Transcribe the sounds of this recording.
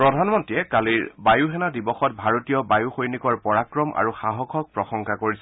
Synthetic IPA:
pɹɔdʱanmɔntijɛkaliɹbajuɦɛnadibɔxɔt̚bʱaɹotijɔbajuxojnikɔɹpɔɹakɹɔmʔa̰ɹuxaɦɔkʰɔk̚pɹɔxɔŋkʰakoɹisɛ

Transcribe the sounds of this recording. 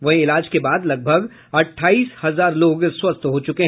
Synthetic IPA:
ʋɐɦɪlaːd͡ʒkebaːd̪lɐɡ̚bʱəɡ | ɐʈʰːaːiːshɐzaːɾloːɡswɐst̪ɦoːt͡ʃʊkeɦ

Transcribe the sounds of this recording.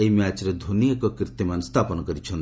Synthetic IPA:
eimat͡ʃɾed̪ʱonijəkɔkɾit̪imanst̪ʰapɔnɔkɔɾit͡ʃʰɔn

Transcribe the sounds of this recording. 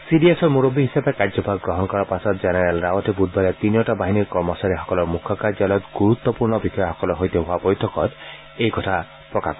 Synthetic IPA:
siɖiesɔɾmuɾobiɦisabekaɾd͡ʒɔpaɡɡɾɔɦɔnɔkɔɾapasɔt̪d͡ʒenaɾalɾawɔtʰibud̪̚ʱbalet̪inijɔʈabaɦiniɾkɔɾmɔsaɾiɦɔkɔlɔɾmukʰːɔkaɾd͡ʒalɔt̪ɡuɾut̪ːɔpuɾɳɔbixɔjaɦɔkɔlɔɦojt̪eɦoapɔjt̪ʰɔkɔɾ | ejkɔtʰa | pɾɔka̰kɔ

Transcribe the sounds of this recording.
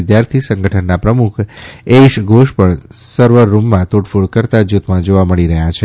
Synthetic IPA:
ɪd̪jaɾt̪ʰisə̃ŋɡəʈʰənːapɾəmukʰeʃɡʱoʃpəɳsəɾʋəɾːumːãt̪oʈfuɭkəɾt̪ad͡ʒut̪mãd͡ʒoʋaməɭiɾəɦjat͡ʃʰe

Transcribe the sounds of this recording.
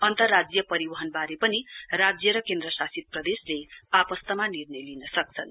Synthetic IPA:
ʌnt̪ʌrːad͡zjʌpʌɾibʌɦʌnbaɾepʌnirad͡zjʌɾʌkend̪ɾʌsasit̪̚prʌd̪esleapʌst̪ʌmanirnʌjlinʌsʌk̚t͡sʰʌn

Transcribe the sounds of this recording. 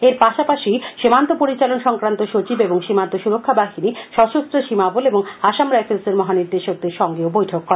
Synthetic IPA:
eɾpaʃapaʃiʃemant̪opoɾit͡ɕalonʃɔŋkɾant̪oʃot͡ɕibeboŋʃimant̪oʃuɾokʰːabaɦiniʃɔʃost̪ɾoʃimaboleboŋaʃamɾaefʰeseɾmɔɦaniɾd̪eʃoɡ̚d̪eɾʃɔŋɡeobojʈʰokːɔɾe

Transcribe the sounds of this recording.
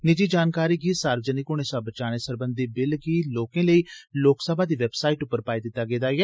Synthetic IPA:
nɪd͡ʒiːd͡ʒaːnkaːɾiːɡiːsaːɾʋəd͡ʒənikʊneːsaːbət͡ʃaːneːsəɾbənd̪iːbɪlɡiːloːkẽːləiːloːksəbaːd̪iːʋɛːbsaːiːʈʊpːəɾpaːiːd̪ɪt̪ːaːɡeːd̪aːɛː

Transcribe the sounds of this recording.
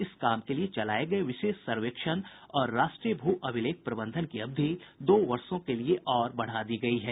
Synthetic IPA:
ɪskaːmkeliet͡ʃɐlaːeɡɐeʋɪʃeːʃsɐɾʋekʃən | ɔːɾːaːʃʈɾijəbʱuːʔɐʋɪleːk̚ʰpɾɐbə̃nd̪ʱənkiɐb̚d̪ʱid̪oːʋɐɾsõkelieʔɔːɾbɐɽ̤ad̪iɡɐiɦɛː

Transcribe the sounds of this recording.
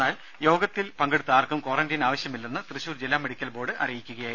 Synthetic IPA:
aːl | jo̞ːɡɐt̪ːilpɐŋɡeɽut̪ːɨaːrkumko̞ːrɐndinaːʋɐɕjɐmilːenːɨt̪rɨɕuːrd͡ʑilːaːme̞ɽikʲːɐlbo̞ːɽɨʔɐ̰rijikʲːuɣɐjaː

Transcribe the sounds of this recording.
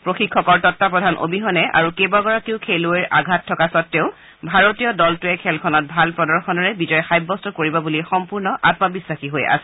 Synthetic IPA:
pɹoxikʰːɔkɔɹtɔtːapɹɔdʱanʔo̰biɦɔnɛʔa̰ɹukebaɡɔɹakiʊkʰeloeɹʔaɡʱatʰːɔkasɔtːeʊ̃ | bʱaɹotijɔdɔltuɛkʰɛlkʰɔnɔt̚bʱalpɹɔdɔɹxɔnɔɹɛbizɔjɔxajbːɔstɔkoɹibɔbulixɔmpuɹnɔʔatmabisɹaxiɦoja̰sɛ

